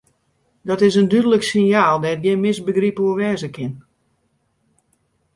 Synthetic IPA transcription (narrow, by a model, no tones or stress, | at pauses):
dɔtɪsəndydələksɪnjaːlˠdɛt̚ɡɪnmɪsbəɡripuəʋɛːzəkʰɪn